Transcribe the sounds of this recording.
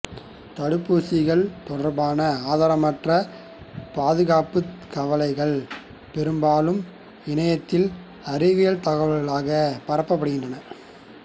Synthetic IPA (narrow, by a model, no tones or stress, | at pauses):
t̪ɐɽɯpːuːsɪɣɐɭt̪ɔɽɐɾbaːnɐaːðaːɾɐmɐʈrɐ | paːðɯɣaːpːɯkɐʋɐlɐɪɣɐɭ | pɛɾɯmbaːlɯm | ɪɳɐjɐt̪ːɪl | ɐɾɪʋɪjɐlt̪ɐɣɐʋɐɭɣɐɭaːɣɐpɐɾɐpːɐpːɐɽɯɣɪndrɐnɐ